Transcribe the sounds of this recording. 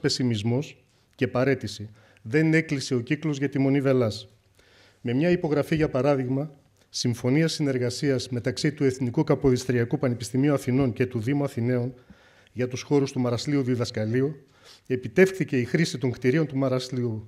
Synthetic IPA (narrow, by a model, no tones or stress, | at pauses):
pe̞simizmo̞s | ce̞pɐɾe̞t̪isi | ðe̞ne̞kliseo̞ciklo̞zʝɐt̪imo̞nive̞lɐs | me̞mɲɐipo̞ɣɾɐfiʝɐpɐɾɐðiɣmɐ | siɱfo̞niɐsine̞ɾɣɐsiɐzme̞t̪ɐksit̪ue̞θnikukɐpo̞ðist̪ɾiɐkupɐnepist̪imiuɐθino̞ɲce̞t̪uðimuɐθine̞on | ʝɐt̪usxo̞ɾust̪umɐɾɐsliuðiðɐskɐliu | e̞pit̪e̞fxθice̞ixɾisit̪o̞ŋkt̪iɾio̞nt̪umɐɾɐsliu